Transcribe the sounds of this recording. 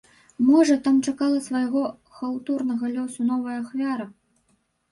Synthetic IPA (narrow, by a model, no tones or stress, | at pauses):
mɔʐɐt̪amt͡ʂakalˠɐsvɐjaɣɔ | xawt̪urnɐɣɐlʲɔsunɔvɐjɐːxvʲaɾɐ